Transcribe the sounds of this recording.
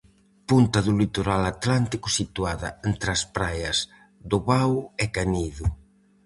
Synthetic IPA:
punt̪aðʊlit̪oɾalat̪lant̪ikʊsit̪uaðɐ̰ent̪ɾaspɾajɐs | d̪oβawɛkaniðu

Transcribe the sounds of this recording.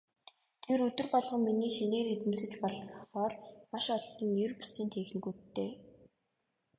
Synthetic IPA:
t̪ʰeɾɵt̪ɵ̆rpɔɮʁɞ̆ŋminiːʃineːɾet͡sɘ̆msɘ̆t͡ɕpɔɮɮɞ̆χɔːrmaʃɔɮɞ̆njɵrpu̥siːnt̪ʰeːx̆n̆ɡuːt̪ːeː

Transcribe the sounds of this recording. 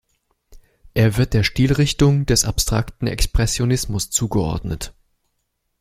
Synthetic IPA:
ʔeːɐvɪɐt̚d̥eːɐʃtiːlʁɪçtʊŋd̥ɛsapstʁ̥a̰ktn̩ɛ̰kspʁ̥ɛsjonɪsmʊst͡suːɡəʔɔ̰ɐdnət

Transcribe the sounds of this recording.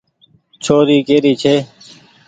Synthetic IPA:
t͡ʃʰoːɾiːkeːɾiːt͡ʃʰeː

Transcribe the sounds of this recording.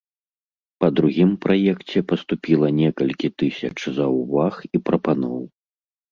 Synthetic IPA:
pɐd̪ɾuɣʲimpɾʔajɛkt͡sʲɛpɐst̪upʲilˠɐnʲɛkɐlʲkʲit̪ɨsʲɐt͡ʂzɐuvaxipɾɐpanɔw

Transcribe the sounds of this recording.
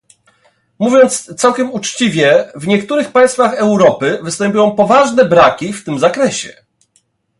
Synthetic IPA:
muvʲjɔnt̪st̪sawkʲɛmut͡ʂt͡ɕivʲjɛvɲɛkt̪uɾɘxpaj̃st̪faxɛwɾɔpɘvɘst̪ɛmpʲujɔ̃w̃pɔvaʐnɛbɾakʲift̪ɘmzakɾɛɕɛ̰

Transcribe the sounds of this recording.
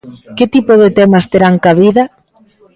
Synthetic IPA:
ket̪ipoðet̪ɛmɐst̪eɾaŋkaβiðɐ

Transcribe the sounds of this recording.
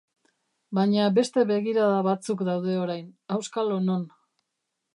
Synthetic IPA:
baɲabe̞st̪e̞βe̞ɣiɾaðaβat͡sukd̪awðe̞o̞ɾajnawskalonon

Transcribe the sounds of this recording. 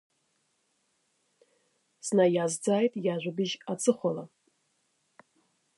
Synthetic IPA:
znajazd͡zaːjtʼjaʒʷʊbɨʒat͡sʰʼɨχʷala

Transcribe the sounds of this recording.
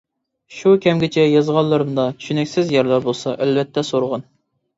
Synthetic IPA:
ʃukʲʰɛmɡʲɪt͡ʃʰɛjɑzʁɑnlˠːɨɾɨmd̪ɑt͡ʃ̪ʰy̥ʃynɛkʲsɪzjɛɾlˠɑɾbolˠsɑʔælvɛt̪ʰːɛsoɾʁɑn

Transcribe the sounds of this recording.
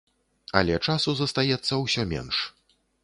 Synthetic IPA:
ɐ̰lʲɛt͡ʂasuzɐst̪ajɛt̪sːɐwsʲɔmʲɛ̰nʂ

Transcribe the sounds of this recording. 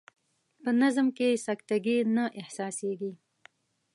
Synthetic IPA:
pənazmkesakt̪aɡinaʔɪhsɑseɡi

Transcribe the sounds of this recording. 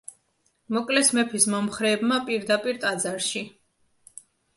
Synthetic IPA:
mɔkʼlɛsmɛpʰismɔmχɾɛːbmapʼiɾd̪apʼiɾt̪ʼad̪zaɾʃi

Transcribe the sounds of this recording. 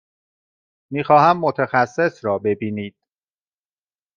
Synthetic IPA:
miːxɒːhæmːo̞t̪ʰæxæsːe̞sɾɒːbe̞biːniːd̪̥

